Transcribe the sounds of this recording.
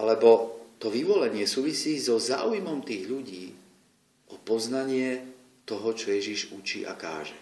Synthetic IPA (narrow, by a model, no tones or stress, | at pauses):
alɛbɔt̪ɔʋiʋɔlɛɲɪɛsuːʋisiːzɔza̰ːujmɔmt̪iːɣʎuɟiː | ʔɔpɔznaɲɪɛ | t̪ɔɦɔt͡ʃɔjɛʒiʒut͡ʃḭːʔa̰ka̰ːʒɛ